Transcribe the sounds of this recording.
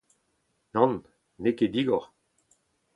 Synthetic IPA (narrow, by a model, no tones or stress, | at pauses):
nɑ̃nː | eked̪iɡɔʁ